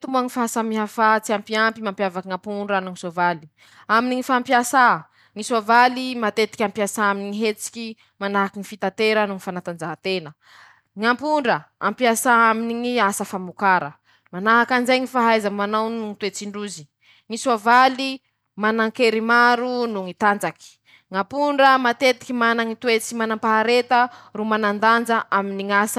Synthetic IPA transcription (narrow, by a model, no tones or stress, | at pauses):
t̪umbaŋifaɦasamiɦafat͡siampiampimampjavakŋãmpuɳɖ͡ʐanuŋisovali̥ | aminiŋifaːmpiasa | ŋisovalimat̪et̪i̥kʲampiasaaminiŋiɦet͡si̥kʲi | manaɦakiŋifit̪at̪eɾənuŋifanat̪and͡ʒaɦat̪enə | ŋampuɳɖ͡ʐəampiasaaminiŋiasəfamukaɾə̰ | manaɦakanzajŋifaɦajzamanawnuŋit̪uet͡siɳɖ͡ʐuzi̥ | ŋisavali | manaŋkeɾimaɾunuŋit̪and͡zaki̥ | ŋapuɳɖ͡ʐəmat̪et̪i̥kʲimanaŋit̪uet͡simanampaɦaɾet̪ərumanand̪and͡ʒaʔaminiŋas